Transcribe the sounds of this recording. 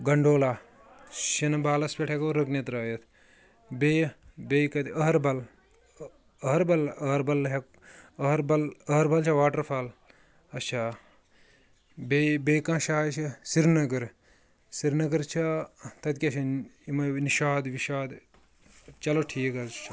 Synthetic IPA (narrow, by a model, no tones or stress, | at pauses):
ɡɐɳɖoːlaː | ʃinbaːlɐspʲeʈʰekoɾɐknit̪ɾɐːjɐt̪ʰ | bejbejkɐt̪ɐɦɐɾbɐl | ɐɦɐɾbɐlɐɾbɐlɦek | ɐɦɾbɐlɐɐɾbɐlt͡ʃʰɐʋaːʈɐɾpʰɐl | ɐtt͡ʃʰaː | bebejkãːʃaːt͡ʃʰisiɾnɐɡɐɾ | siɾnɐɡɐɾt͡ʃʰɐt̪ɐt̪kʲɐt͡ʃʰɐimɐniʃaːd̪ʋiʃaːd̪ | t͡ʃɐloʈʰiːkɐt͡ʃʰɐ